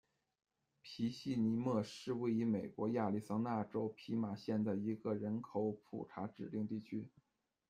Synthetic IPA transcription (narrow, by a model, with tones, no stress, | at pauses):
pʰi˧˥ɕi˥˩ni˧˥mɤ˥˧˩ʂɻ̩˥˧we˥˩ɪy˧˥me˨˩ɪkwɔ˧˥ja˥˩li˥˩sɑ˥ŋna˥˩ʈ͡ʂo˥ʊpʰi˧˥ma˨˩ɕjɛ˥˩nd̪a˥˩ɪi˧˥ɡə˧ɻə˧˥nkʰo˧˥ʊpʰṵ˨˩ʈ͡ʂʰa˧˥ʈ͡ʂɻ̩˨˩li˥˧ŋt̪i˥˩t͡ɕʰy˥